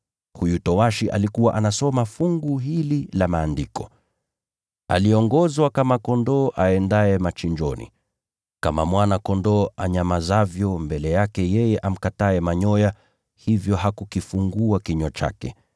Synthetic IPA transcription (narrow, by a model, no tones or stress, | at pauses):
hujutɔwaʃiʔa̰likuwaʔanasɔmafuŋɡuɦililamaːndikɔ | a̰liɔŋɡɔzwakamakɔndɔːʔaɛndaɛmat͡ʃiɲd͡ʒɔnḭ | kamamwanakɔndɔːaɲamazavjɔmbɛlɛjakɛjɛjɛʔam̩kataɛmaɲɔja | hivjɔɦakukifuŋɡuakiɲɔt͡ʃa̰kɛ